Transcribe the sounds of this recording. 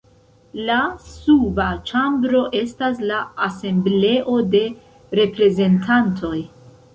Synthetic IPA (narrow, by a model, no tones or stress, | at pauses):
lasubat͡ʃambɾo̞ʔe̞stas̬laːse̞mble̞ʔo̞de̞ | ɾe̞pɾe̞ze̞ntʰantʰo̞j